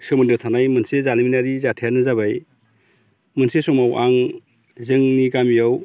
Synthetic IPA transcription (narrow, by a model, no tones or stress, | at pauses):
sɯmɯndɯtʰanajmɯnsezaliminaɾizatʰijanɯzabaj | mɯnsesɔmawʔaŋ | zɯŋniɡamijaw